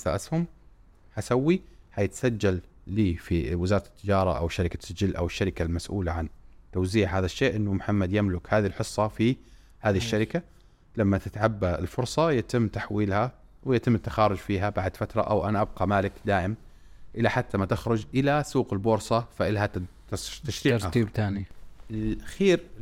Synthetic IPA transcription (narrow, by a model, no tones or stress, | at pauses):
sa̰ʔashʊm | hasawːihajɪt̪sad͡ʒːalː | iːfiwɪzɑːɾˤɑt̪ɪ̥t̪ːɪd͡ʒɑːɾˤɑ̰ʔa̰wʃaɾɪkasɪd͡ʒɪlːʔa̰wɪʃːaɾɪkalmasʔṵːlaʕant̪awziːʕhaːðaʃːeːʔɪnːʊmʊħamːad̪jamlʊkhaːðilħɨsˤːɑfi | haːðiʃːaɾɪka | lamːat̪ɪt̪ʕabːaɪ̰lfʊɾsˤɑjat̪ɪmːt̪aħwiːlha | wɪjat̪ɪmːt̪ːaxɑːɾˤʊd͡ʒfiːɦabaʕd̪fat̪ɾˤɑ̰ʔa̰wʔanaʔab̚qɑmaːlɪkd̪aːʔɪm | ʔɪlːaħat̪ːamat̪ɪxɾˤʊd͡ʒʔɪlasuːqɪlboːɾsˤɑfaʔɪlɦa | t̪ːaʃɾiːɾat̪iːbt̪aːniɪlxiːɾ